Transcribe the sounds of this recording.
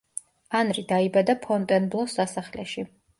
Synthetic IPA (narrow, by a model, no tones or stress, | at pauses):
anɾid̪aibad̪apʰɔnt̪ʼɛnblˠɔsasaχlɛʃi